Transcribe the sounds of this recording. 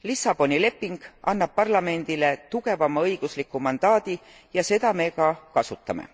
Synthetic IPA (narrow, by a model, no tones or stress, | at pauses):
lisɑb̥o̞nile̞pːiŋɡ̥ɑnːɑb̥̚pɑrlɑme̞nd̪̥ile̞t̪uɡ̥e̞vɑmːɑɤjɡ̥uslikːumɑnd̪̥ɑːd̪̥i | jɑse̞d̪̥ɑme̞kɑkɑsut̪ːˑɑmḛ